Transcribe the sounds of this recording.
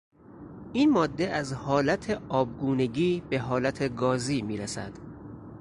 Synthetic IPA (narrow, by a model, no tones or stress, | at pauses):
ʔiːnmɒːd̪ːe̞ʔæzhɒːlæt̪ʰeɒːb̚ɡuːne̞ɡiːbe̞ɦɒːlæt̪ʰe̞ɡɒːziːmiːɾæsæ̰d̪̥